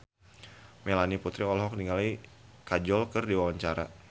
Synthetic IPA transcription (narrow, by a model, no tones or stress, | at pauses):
melaniput̪ɾiɔlɦɔk̚niŋalikad͡ʒɔlkərdiwawaɲt͡ʃaɾa̰